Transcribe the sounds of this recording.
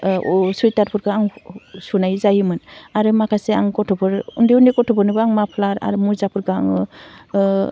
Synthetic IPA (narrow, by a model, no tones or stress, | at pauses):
sujtaɾpʰuɾɡaaŋsunajzajɯmɯnaɾɯmakʰaseaŋkɔtʰɔpʰɯɾundiundikɔtʰɔbɯɾnɯbɯaŋmapʰlaɾa̰ɾɯmuɾzapʰuɾɡaːŋ